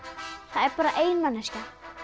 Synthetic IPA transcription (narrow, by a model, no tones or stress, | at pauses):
θaɛɾpaːɾaʔeːjnmanːasca